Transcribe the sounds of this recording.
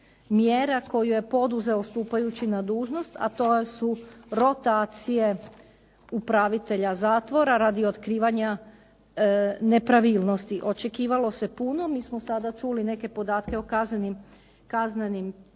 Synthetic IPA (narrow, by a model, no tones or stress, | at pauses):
mjeɾako̞juje̞po̞d̪uze̞ost̪uːpajut͡ɕinad̪uːʒno̞st̪a̰t̪osuɾo̞t̪aːt̪sije̞ | upɾaʋit̪e̞ʎazaːt̪ʋo̞ɾaɾad̪io̞t̪kɾiːʋaɲa | ne̞pɾaʋiːlˠno̞st̪iʔo̞t͡ʃe̞kiːʋalo̞se̞puno̞miːsmosad̪at͡ʃuline̞ke̞po̞d̪aːt̪ke̞okaznenim | kaznenim